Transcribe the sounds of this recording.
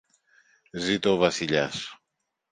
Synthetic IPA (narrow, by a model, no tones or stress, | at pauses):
zit̪oːvɐsiʎɐs